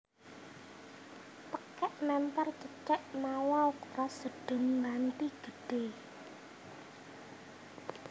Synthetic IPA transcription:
t̪əkɛʔnɛmp̪art͡ʃət͡ʃɛʔmawaukrasəɖ̥ʊ̤nlant̪iɡ̥ə̤ɖ̥e

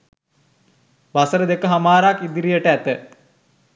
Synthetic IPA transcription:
ʋasəɾəd̪ekəɦamaːɾakid̪iɾijəʈəæt̪ə

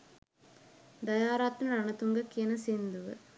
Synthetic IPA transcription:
d̪ɐjaːɾaːt̪ːnɐɾɐnɐt̪uŋɡɐkːiɐnɐseːnd̪uʋɨ̰

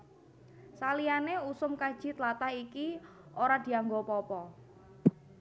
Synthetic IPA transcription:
salianeusʊmkad̥ʒ̥i̤t̪lat̪aiki | ʔoɾad̪̥i̤aŋɡopɔpɔ

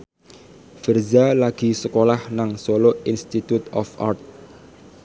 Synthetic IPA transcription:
fərzalaɡ̥i̤səkolahnaŋsoloinst̪it̪ut̪ɔ̰fa̰rt̪̚

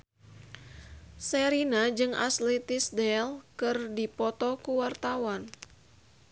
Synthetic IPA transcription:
sɛɾinad͡ʒɨŋʔa̰slɛt̪ɪsdɛlkɨrdipɔt̪ɔkuwart̪awan

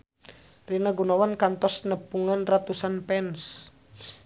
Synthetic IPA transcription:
rinaɡunawankant̪ɔsnəpuŋanrat̪usanpɛns

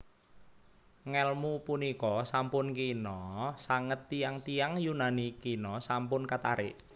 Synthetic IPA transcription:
ŋɛlmupunikɔsampʊnkinɔsaŋət̪ːijaŋt̪ijaŋjunanikinɔsampʊnkat̪a̰ɾɪ̰ʔ

